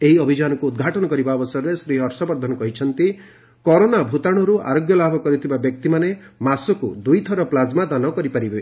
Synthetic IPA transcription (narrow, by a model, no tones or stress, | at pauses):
eɦiɔbʱid͡ʒanɔkuːd̪ɡʱaʈɔnɔkɔɾibaɔbɔsɔɾɔɾesɾiɔɾsɔbɔɾd̪ʱɔnɔkɔɦit͡ʃʰɔnt̪i | kɔɾonabʱut̪aɽ̃ɔɾua̰ɾoɡjɔlabʱɔkɔɾit̪ʰibabjɔk̚t̪imane | masɔkud̪ujt̪ʰɔɾɔplad͡ʒmat̪anɔkɔɾipaɾibe